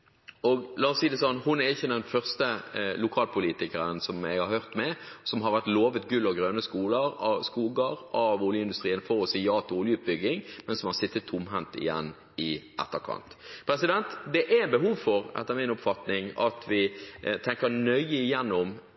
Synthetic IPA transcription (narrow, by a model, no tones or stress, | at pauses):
ɔɡlɑːɔsiːd̪ɛsɔnhʊnɛɾɪçːəd̪ɛnfœʁst̪əlʊkʰɑːlpʰʊliːt̪ɪkəɾənsɔmɛ̰ɡhɑɾhøʁt̪mɛsɔmɦɑɾʋæʁt̪loːʋət̪ɡʉlːɑʋɡɾøːnəskuːləɾɑʋskuːɡəɾʔɑʋʊːljəɪnd̪ʉst̪ɾiːənfɔɾɔsɪjɑːt̪ʰɪʊːljəʉːt̪̚bʏɡːɪŋmɛnsɔmhɑɾsɪt̪ːət̪ʰːʊmɦɛnt̪ɪ̰jɛ̰nː | ɪʔɛ̰t̪ːəɾkʰɑ̰nt̪pʰɾɛsɪd̪ɛnt̪d̪ɛʔæɛnbəɦuːʋfɔɾɛ̰t̪ːəɾmɪnʊpfɑt̪nɪŋɑ̰t̪ʰʋɪt̪ʰɛŋkəɾnœʏəɪjɛnːʊm